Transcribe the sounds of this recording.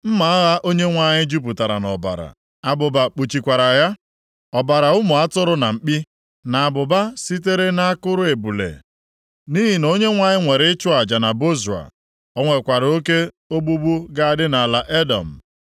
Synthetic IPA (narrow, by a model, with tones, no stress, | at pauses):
m̩˦ma˨a˦ɣa˦ʔo˦ɲe˦ŋʷa˨ɲɪ˦d͡ʒu˦p̬u˨ta˨ɾa̰˨nɔ˨ba̰˨ɾa̰˨ | a˨bʊ˨ba˨k͡pu˨t͡ʃi˨kʷa˨ɾa˨ja˦ | ɔ˨ba˨ɾa˨ʊ˦mʊ˨a˦tʊ˦ɾʊ˦na˨m̩˨k͡pi˦ | na˨a˨bʊ˨ba˦si˦t̬e˦ɾe˦na˦a˦kʊ˦ɾʊ˦e˨bu˨lḛ˨ | ni˦ɦi˨no˦ɲe˦ŋʷa˦ɲɪ˦ŋʷe˨ɾɪ˦ɪ˦t͡ʃʊ˦a˨d͡ʒa˨na˨bo˦zu˨a̰˨ | ɔ˦ŋʷe˨kʷa˨ɾo˦ke˦ | o˦ɡ͡bu˦bu˦ɡa˦a˨dɪ˦na˨la˨ʔe˦dɔ̰˨m̩˨